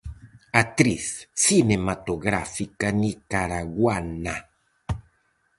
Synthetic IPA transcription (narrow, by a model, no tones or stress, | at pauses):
at̪ɾiθːinemat̪oɣɾa̰fikanikaɾaɣwana